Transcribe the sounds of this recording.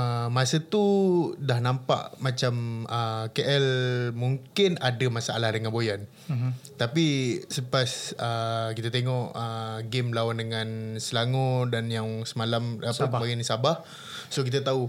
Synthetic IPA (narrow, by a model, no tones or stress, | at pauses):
əmasət̪udahnãmpa̰ʔmat͡ʃaməkeʔɛlmuŋkɪnadamasaa̰lahdəŋanbojan | t̪apisəpasəkit̪at̪eŋɔʔəɡɪmlawandəŋansəlaŋɔdanjaŋsəmalamaəaɡinisabah | sok̬it̪ət̪au